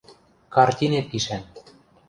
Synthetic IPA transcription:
kɑrt̪ʲinet̪̚kiʃæn

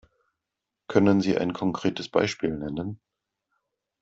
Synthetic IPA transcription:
kʰœnənziːʔa̰ɪnkʰɔŋkʁ̥eːtəsb̥a̰ɪʃpiːlnɛnən

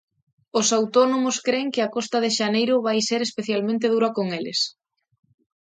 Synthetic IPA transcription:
ʊsawt̪ɔnomʊskɾeŋkɪakɔst̪ɐðɪʃanejɾʊβajseɾespeθjalmẽnt̪̬eð̞uɾɐkoŋelɪ̰s

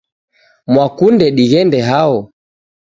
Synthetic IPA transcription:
mwakundɛɗiɣɛndɛɦaɔ

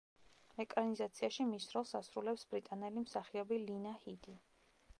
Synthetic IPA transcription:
mɛkʼɾanizat̪sʰiaʃimisɾɔlˠsasɾulɛpsbɾit̪ʼanɛlimsaχiɔbilinahid̪i

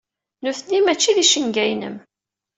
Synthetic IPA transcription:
nuθnːimæt͡ʃːiðiʃəŋɡæjnə̰m

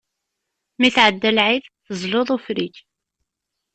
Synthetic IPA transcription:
miθʕəd̪ːælʕiðθəzˤloðˤofɾiç

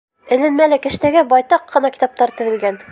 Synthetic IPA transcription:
ɘ̆lɘ̆nmælɘkɘ̆ʃt̪æɡæbɒjt̪ɑqːɤ̆nɑki̥t̪ɑp̚t̪ɑɾt̪ɘ̆ðɘ̆lɡæn

